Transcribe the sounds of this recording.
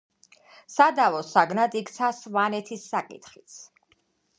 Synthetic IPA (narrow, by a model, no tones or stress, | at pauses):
sad̪avɔsaɡnad̪ikt̪sʰasvanɛt̪ʰisːakʼḭt̪ʰχit̪sʰ